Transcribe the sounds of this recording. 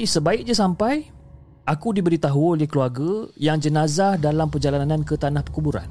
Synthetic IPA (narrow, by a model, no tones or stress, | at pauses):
isəbaɪk̚ɲasampaj | akudibəɾit̪aɦuolɪhkəluarɡəjaŋd͡ʒənãzahdalampərd͡ʒalanãnkət̪anahpərkubuɾa̰n